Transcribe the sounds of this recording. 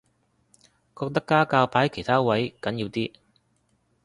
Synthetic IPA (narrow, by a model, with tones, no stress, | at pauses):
kɔː˧k̚t̪ɐ˥kːaː˥kaː˧wpʰaː˨˥jkʰe˨˩jt̪ʰaː˥wɐ˨˥jkɐ˨˥njiː˨˧wt̪iː˥